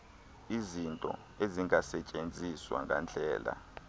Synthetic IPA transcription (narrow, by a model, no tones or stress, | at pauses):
izintʼɔ̰ | eziŋasɛt͡ʃʼend͡zʱiswa̰ŋɡa̰nd͡ɮʱɛːla̰